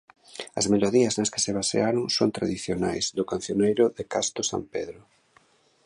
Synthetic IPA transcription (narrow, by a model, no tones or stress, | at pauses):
ɐ̰zmeloðiɐznɐskɪ̥sɪβasḛaɾoŋsont̪ɾaðiθjona̰jzðʊkan̟θjonejɾʊðɪkast̪ʊsa̰mpeðɾʊ